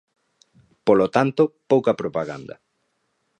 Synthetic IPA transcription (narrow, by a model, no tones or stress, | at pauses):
polot̪ant̪opowkɐpɾopaɣa̰nd̪ɐ̰